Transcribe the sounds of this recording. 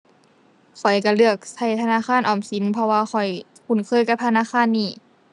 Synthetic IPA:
kʰɔ˨˩jka˧˩lɯ˥˧˩ək̚sa˧˩jt̪ʰa˧naː˧˥˨xaː˧˥˨nʔɔː˨˩msi˨˦npʰɔ˧waː˧xɔ˨˩j | kʰu˧˩˨nkʰɤː˧˥˨jka˧˥p̚t̪ʰnaː˧˥˨xaː˧˥˨nːiː˧˩

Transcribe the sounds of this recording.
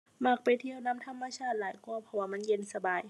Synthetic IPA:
ma˧˩k̚pa˨˩jt̪ʰi˧˨əwna˧˥˨mt̪ʰa˧˥mːa˧t͡ɕʰaː˥˩t̪̚laː˨˦jkʰu˧ɐpʰɔ˧waː˧˩ma˧˥˨nje˧˥˨nsa˧baː˨˩j

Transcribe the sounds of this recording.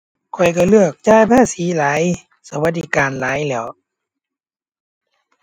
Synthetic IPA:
kʰɔ˨˩jka˧˩lɯ˥˩ək̚t͡ɕaː˧˩˨jpʰaː˧˥˨siː˨˦laː˨˦j | sa˧˦wa˧˦t̪̚diː˧˦˩kaː˨nlaː˨˦jlɛː˧˩w

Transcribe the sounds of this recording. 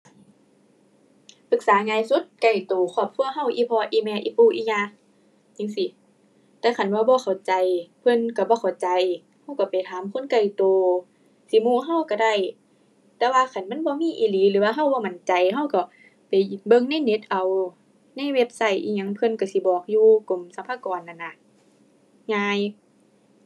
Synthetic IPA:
pɯ˧˦k̚saː˨˦ŋaː˧˨jsu˧˦t̪̚ka˨˩jt̪oː˨˩kʰɔː˧˩p̚kʰu˧ɐ˨ɦa˧˨wʔiː˧˨pʰɔː˧ʔiː˧mɛː˧ʔḭː˧puː˧˨ʔiː˧˩ɲaː˧˨ | t͡ɕi˧˨ŋsi˧˦ | t̪ɛː˧kʰa˨˩˨nbaː˧bɔː˧˦xʰa˨˩wt͡ɕa˨jpʰɤ˧˥˨nka˧˩bɔː˧˦kʰa˨˩wt͡ɕa˨j | ha˧˥˨wka˧˩pa˨jt̪ʰaː˨˦mkʰo˧˥˨nka˧˩jt̪oː˨˧ | si˧˦muː˧˩˨ɦa˧˥˨wka˧˩da˧˩˨j | t̪ɛː˧waː˧kʰa˨˩˨nma˧˥˨nbɔː˧˦miː˧˥˨ʔiː˧˨liː˨˦lɯː˨˦waː˧ɦa˧˨wbɔː˧˦ma˨˦nt͡ɕa˨jɦa˧˨wkɔ˧˩ | pa˨jbɤ˧˨ŋna˧˥˨jne˧˦t̪̚ʔa˨˩w | na˧˥˨jwe˧˥p̚sa˧˩˨jʔḭː˧˩ɲa˧˦ŋpʰɤ˧˨nka˧˩si˧˦bɔː˨˩k̚juː˧ko˨msa˧˦pʰaː˧˥˨kɔː˨nʔa˨nːa˧ | ŋaː˧j

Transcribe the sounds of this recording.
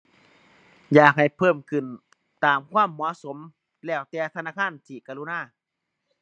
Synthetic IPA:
jaː˨˩k̚ha˨˩jpʰɤː˧˥˩mkʰɯ˨˩n | t̪aː˨mkʰwaː˧˥˨mːɔ˨˩˦so˨˦m | lɛː˧˩wt̪ɛː˧t̪ʰa˧naː˧˥˨kʰaː˧˥˨nt̪ʰiː˧˩kaː˧lu˧naː˧˥˩

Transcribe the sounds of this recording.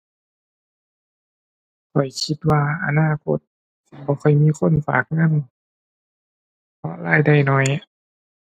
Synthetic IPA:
kʰɔ˨˩jkʰi˧˦t̪̚waː˧ʔa˧naː˧˥˩kʰo˧˦t̪̚ | bɔː˧˦kʰɔ˧˩jmiː˧˥˨kʰo˧˥˨nfa̰ː˨˩k̚ŋa˧˥˨n | pʰɔ˧˥laː˧˩jda˧˩jnɔ˧˥j

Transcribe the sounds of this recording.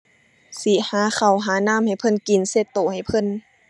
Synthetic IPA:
si˨˧˦haː˨˦xa˨˩wɦaː˨˦naː˧˥˨mha˨˩jpʰɤ˧˥˨nki˨˩˦nse˧˩t̪ːoː˨˩ha˨˩jpʰɤ˧˥˨n

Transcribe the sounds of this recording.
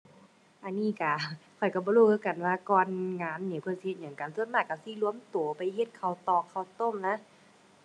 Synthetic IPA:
ʔa˧˨nːiː˧˥˨ka˧˩kʰɔ˨˩jka˧˩bɔː˧luː˧˩kʰɤː˧˦ka˨˩nwaː˧kɔː˧nŋaː˧˥˨nːiː˧˩˨pʰɯ˧˨si˧he˧˩ɲha˨˦ŋka˨nsu˧˥˨n̚maː˧˩k̚ka˨˩si˧˦lu˧ə˨mt̪u˨˩ə˦pa˨jhe˧˦t̪̚kʰa˧˩wt̪ɔː˧˩ŋkʰa˧˩˨wt̪o˧˥˨mna˧˥˨

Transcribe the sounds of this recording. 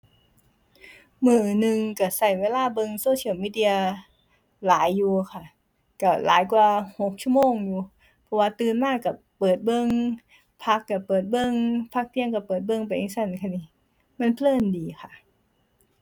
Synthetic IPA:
mɯː˧˩˨nɯ˧ŋka˧˩sa˨˩jweː˧laː˥˩bɤ˧ŋsoː˧˥t̪ʰiː˧˥˨miː˧˥di˧ɐ˧ | laː˨˩˦jːuː˨˧˩kʰa˧˩ | ka˧˩lʔa̰ː˨˦jkwaː˧ho˨˩k̚t͡ɕʰu˧˥˨moː˧ŋjuː˨˧ | pʰɔ˧˩waː˧t̪ɯː˧nmaː˥˩kːa˧˩ | pɤː˨˩t̪̚bɤ˧˨ŋ | pʰa˦˥kːa˧˩pɤː˨˩t̪̚bɤ˧˨ŋpʰa˦˥k̚t̪ʰi˧əŋka˧˩pɤː˨˩t̪̚bɤ˧˨ŋpa˧˩˨ʔi˧˥ŋsa˧˩nkʰa˧˥˩niː˧˩ | ma˧˥˨npʰlɤː˧˥˩ndiː˨˧xʰa˧˩ʔ

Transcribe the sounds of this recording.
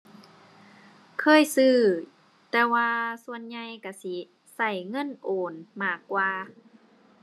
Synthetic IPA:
kʰɤː˧˥˨jsɯː˧˩ | t̪ɛː˧waː˧su˧ə˨nɲa˧jka˧˩si˧˦ | sa˧˩jŋɤ˧˥˨nʔoː˨˩nmaː˧˩kːwaː˧

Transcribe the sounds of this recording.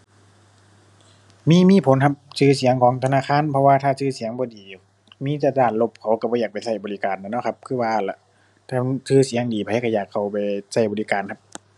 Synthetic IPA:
miː˧˥˨miː˧˥˨pʰo˨˦nkʰa˧p̚sɯː˧˩si˨˦əŋkʰɔː˨˦ŋt̪ʰa˧naː˧˥˨kʰaː˧˥˨npʰɔ˧waː˧˨t̪ʰaː˧˩sɯː˧˩si˨˦əŋbɔː˧diː˨ | miː˧˥˨t̪aː˧˩taː˧˩t̪̚lo˧˩p̚kʰa˧˩wka˧˩bɔː˧˦jaː˨˩k̚pa˨˩jsa˧˥˩jbɔː˨li˦˧kaː˨nːa˧˩˨nɔ˧˥˩kʰa˧p̚kʰɯː˧˨waː˧la˧˩ | t̪ʰaː˧˩˧sɯː˧˩si˨˦əŋdiː˨pʰa˧˨˦ka˧˩jaː˨˩kʰːa˧˩wpa˨jsa˧˩jbɔː˨li˦˧kaː˨nkʰa˧˥p̚

